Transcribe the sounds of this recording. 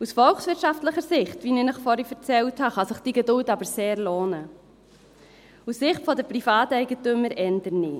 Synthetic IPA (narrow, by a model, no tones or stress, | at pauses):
usfɔlχsʋɪɾtʃɑftləχəɾsɪχtʋininəχfɔɾifɛɾt͡sɛlthɑχɑsəχd̥iɡedʊltɑbəɾseːɾloːnə | usːɪχtfɔdɛɾpɾifɑːtɛɪɡətʏmːəɾʔɛndəɾni